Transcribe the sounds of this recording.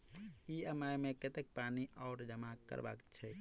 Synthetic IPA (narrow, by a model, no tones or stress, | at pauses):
iəmajmẽket̪ek̚paːniʔɔːɾd͡ʒəmakːə̰ɾba̰ːkt͡ʃʰɛ